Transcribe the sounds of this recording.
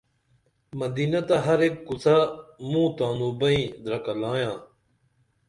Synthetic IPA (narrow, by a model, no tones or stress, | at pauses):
mɐd̪iːnɐt̪ɐɦɐɾekkusamũːt̪aːnuːbɐĩːd̪ɾɐkɐlãːjãː